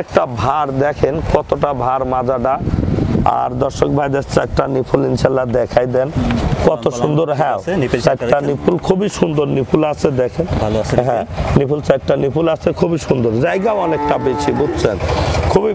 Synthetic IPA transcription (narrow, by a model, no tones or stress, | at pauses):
ɛk̚ʈabʱaɾd̪ɛkʰenkɔt̪oʈabʱaɾmad͡ʑaɖa | a̰ɾd̪ɔɾʃokbʱajd̪et͡ɕɛk̚ʈanipʰulint͡ɕʰalad̪ɛkʰajd̪ɛnkɔt̪oʃund̪oɾɦɛ̃oɛkʈanipʰulkʰubiʃund̪oɾnipʰulat͡ɕʰed̪ɛkʰenɦɛ̃nipʰult͡ɕɛk̚ʈanipʰulat͡ɕʰekʰubiʃund̪oɾd͡ʑajɡaoɔnek̚ʈabeʃibudt͡ɕʰenkʰubi